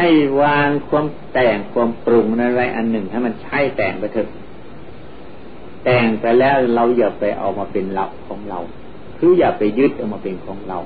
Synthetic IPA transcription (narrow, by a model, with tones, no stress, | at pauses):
ha˥˩jwaː˧ŋkʰu˧əmt̪ɛː˨˩ŋkʰu˧əmpɾu˧˩ŋ˧naː˧nɾa˧˩jʔa˨˧nːɯ˨˩ŋha˧˩jma˧nt͡ɕʰa˥˩jt̪ɛː˨˩ŋpa˧jt̪ʰɤ˧˩k̚ | t̪ɛː˨˩ŋpa˧jlɛː˦˥˩wla˧wjaː˧˩kpa˨˩jʔa̰˨˩wmaː˧pe˨nla˧˩ʔ̚kʰɔː˨˦ŋɾa˧w | kʰɯː˧˥jaː˨˩k̚pa˨jːɯ˦˥˩t̪̚ʔa˨˩wmaː˧pe˨nkʰɔː˨˦ŋɾa̰˧˩w